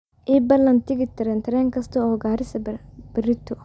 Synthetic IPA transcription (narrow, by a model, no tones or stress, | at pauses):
iːbɐlːɐnt̪iɡit̪ːɐɾent̪ɐɾeŋkɐst̪uoːɡaːɾisɐb̥iɾit̪ːu